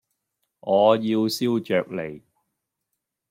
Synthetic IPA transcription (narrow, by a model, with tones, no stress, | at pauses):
ŋɔː˨˧jiː˧wsi˥wt͡ʃœː˨k̚le˨˩j